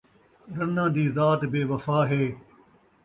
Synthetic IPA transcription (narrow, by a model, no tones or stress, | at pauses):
ɗɐnãːd̪iːzaːt̪beːʋɐfaːɦeː